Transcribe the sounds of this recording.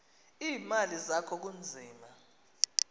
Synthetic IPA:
iːmalizakʰɔk̬und͡zʱiːma

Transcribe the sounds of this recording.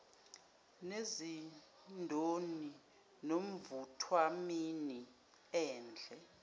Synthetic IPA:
nezi | ndʱoni | nom̩vutʰwamini | ɛːnd͡ɮʱɛ

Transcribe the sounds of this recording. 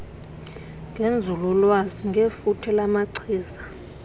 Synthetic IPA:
ŋɡʱend͡zʱululwaziŋɡʱefutʰɛlamaǀʰiːza

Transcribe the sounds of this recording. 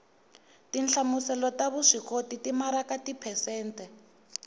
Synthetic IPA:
tint͡ɬʰamusɛlɔtaβuʂikʰotitimaɾakatipʰɛsɛːntɛ

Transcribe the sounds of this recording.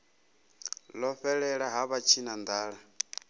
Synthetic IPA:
lɔɸɛɺɛɺaɦaβat͡ʃʰinand̪aːɺa

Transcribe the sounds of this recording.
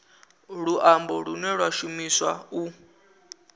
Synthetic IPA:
ɺuʔambɔɺunɛɺwaʃumiswau

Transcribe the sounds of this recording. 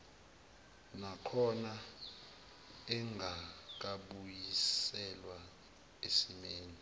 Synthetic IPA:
nakʰɔna | ɛŋʱak̬aɓujisɛlwa | esimeːni

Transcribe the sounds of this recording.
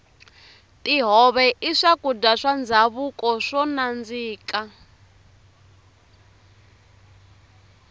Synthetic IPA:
tiɦɔβɛʔiʂakudaʂand͡zaβukɔʂɔnand͡ziːka

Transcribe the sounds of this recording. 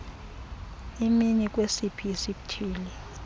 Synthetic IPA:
iminik̬ʼwesipʰiisiɓtʰiːli

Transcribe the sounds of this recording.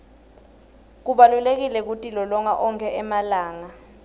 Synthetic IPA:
k̬uɓalulek̬ilɛk̬utʼilɔlɔŋaʔɔŋkʰɛʔɛmalaːŋa

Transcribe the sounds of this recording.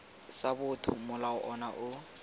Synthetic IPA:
sabʊtʰʊ̰mʊlaʊʔɔnaʔʊ

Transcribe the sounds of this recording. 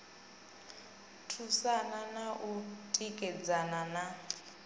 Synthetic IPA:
tʰusananaʔutʼikʼɛd͡zanana

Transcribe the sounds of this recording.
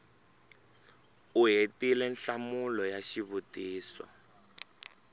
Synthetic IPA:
uɦetilɛnɬamulɔjaʃiβutiːsɔ̰

